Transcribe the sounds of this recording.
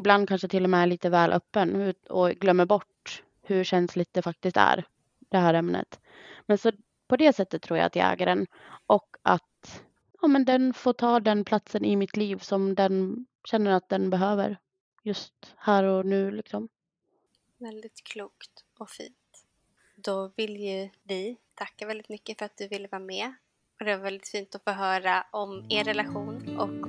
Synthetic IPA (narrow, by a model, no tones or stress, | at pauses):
ɪbland̪̚kʰanʂət̪ʰɪlːɔmɛæɭiːt̪əvɛːlʔœ̰pːənʉ̟ːɔɡlœmːəɾbɔʈ | hɵɕɛnslɪt̪̚d̪ɛfak̚t̪ɪst̪æ̰ːɾ | d̪̥ɛɦæːɾɛmnə̰t̪ | mɛnsɔ | pʰɔd̪ɛːsɛt̪ːət̪ʰːɾuːɾja̰t̪ʰja̰ɛ̰ːɡaɾən | ʔɔkːat̪ | ɑːmɛnd̪ɛnfoːʈʰɑːd̪ɛnpʰlat̪sənɪmɪt̪ʰliːvsɔmd̪ɛn | ɕɛnːəɾat̪̚d̪ɛnbɛɦøːvə̰ɾ | jɵst̪hæːɾɔnʉ̟ːlɪksɔm | vɛld̪ɪt̪kʰluːkt̪ | ɔfḭːnt̪ | d̪ɔvɪljɵvɪt̪ʰakːavɛld̪ɪt̪mʏkːəfœɾat̪̚d̪ɵvɪlːəvɑːɾmɛ | ɔd̪ɛvaɾvɛld̪ɪt̪fiːnt̪ɔfoːɦœːɾaʔɔmeːɾɛlaɧuːnʔɔk